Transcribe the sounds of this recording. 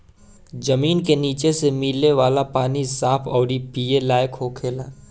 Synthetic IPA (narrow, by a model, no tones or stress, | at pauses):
d͡ʒəmiːnkeniːt͡ʃesemilːeʋaːlapaːnisaːpʰɔːɽipiːelaːjkɦoːkʰeːlaː